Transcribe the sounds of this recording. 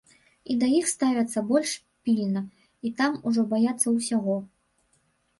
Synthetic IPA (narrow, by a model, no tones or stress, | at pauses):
id̪ɐjixst̪avʲɐt̪sːɐbɔlʲʂ | pʲilʲnɐ | it̪amuʐɔbajat̪sːɐwsʲaɣɔ